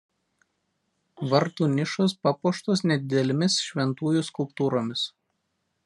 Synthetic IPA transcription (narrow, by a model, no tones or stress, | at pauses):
ʋɐɾt̪uːnʲɪʃos̬pɑpuɔʃt̪os̬nʲɛd̪ʲɪd̪ʲɛlʲɪmʲɪsʃʲʋʲɛnt̪uːjʊˑskʊlˠpt̪uːɾoːmʲɪs